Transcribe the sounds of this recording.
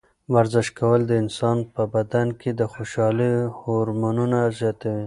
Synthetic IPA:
waɾzɪʃkawəld̪əɪnsɑnpəbad̪ankʰed̪əxoʃɑlihoɾmanunazjɑt̪awi

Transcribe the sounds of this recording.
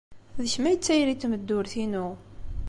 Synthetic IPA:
ðəçmæjət͡sːæjɾit̪ːməd̪ːʊɾθinu

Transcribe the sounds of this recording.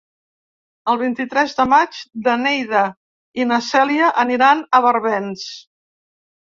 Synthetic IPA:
əlˠβ̞int̪it̪ɾɛzðəmad͡ʒd̪ənɛjðə | inəsɛliəʔəniɾanəβəɾβɛns

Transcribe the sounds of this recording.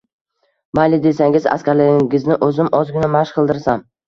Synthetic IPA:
balɪd̪e̞saŋʲɪza̰skʲaɾlɪɪɪznɪʔɵzɪmʔɒzɡʲʊnamaʃqʰɨlˠd̪ɪɾsam

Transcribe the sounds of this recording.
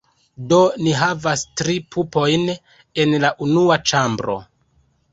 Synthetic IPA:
do̞niɦavastɾipʰupo̞jn | e̞nlaʔunuat͡ʃambɾo̞̰

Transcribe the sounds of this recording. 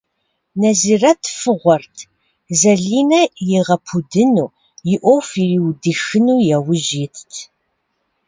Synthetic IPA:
nɐziːrɐtʰfɨʁʷɔrtʰ | zɐɮiːnɐjɛʁɐpʰudɨnuː | jɪʔʷowfiriːwdɨxɨnuːjɛwʊʒeːtʰtʰ

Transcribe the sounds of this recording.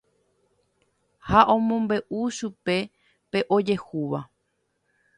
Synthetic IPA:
haʔõ̞mõmbe̞ʔuʃupe̞ | pe̞ʔod͡ʒe̞huʋa

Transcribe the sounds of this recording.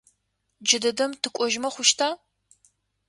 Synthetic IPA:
d͡ʒɪdɐdɐmtʰɨkʷʼɔʒmɐχʷʊʃtʰaː

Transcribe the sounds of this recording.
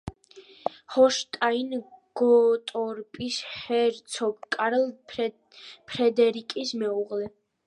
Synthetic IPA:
hɔʃt̪ʼainɡ̥ɔt̪ʼɔɾpʼishɛɾt̪sʰɔɡkʼaɾɛlˠ | pʰɾɛd̪ɛɾikʼismɛuʁlɛ

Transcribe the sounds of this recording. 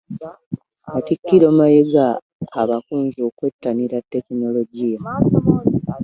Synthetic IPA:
atikːiɾomajeɡaː | βakuːɲɟo̞ːkwetːaniɾatːe̞kino̞lo̞ɟija

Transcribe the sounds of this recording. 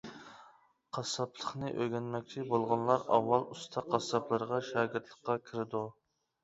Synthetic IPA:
qʰɑsɑpʰlˠəχnɨʔøɡʲɛnmɛkʲt͡ʃʰibolˠʁʊnlˠɑɾɑ̰wːɑlˠust̪ʰɑqʰːɑsɑplˠɨɾəʁɑʃɑːɡʲɪɾt̪ʰlˠəqːɑkʲʰɪɾɪd̪u

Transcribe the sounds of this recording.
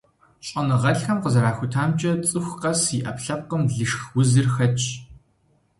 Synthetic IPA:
ɕʼɐnɨʁɐɬxɐmqəzɐɾaːxʷʊtʰaːmt͡ʃʼɐt͡sʼɨxʷqɐsiʔɐpɬɐp̚qəmɮɨʃxwʊzɨrxɐt͡ʃʰʼ

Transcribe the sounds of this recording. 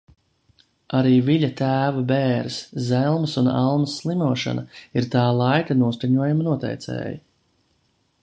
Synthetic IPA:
aɾiːviʎat̪æːvabeːɾszɛlˠmsuna̰lˠmasːlˠimuɔʃa̰naiɾt̪ɑːlˠɑjkanuɔskaɲuɔjamanuɔt̪ɛ̰jt̪sɛ̰ːji

